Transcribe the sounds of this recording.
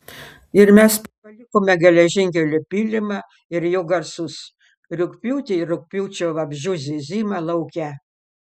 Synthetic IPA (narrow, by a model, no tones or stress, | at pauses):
ɪɾmʲɛspɐpɐlʲɪkoːmʲɛɡʲɛlʲɛʒʲɪŋʲkʲɛlʲʊpʲiːlʲɪmɑ | ɪɾjoːɡɐɾsʊs | ɾʲʊkʲpʲuːt̪ʲɪɪɾʊk̚ʲpʲuːt͡ʃʲoːʋɐbʲʒʲʊzʲɪzʲiːmɑlˠɐʊkʲɛ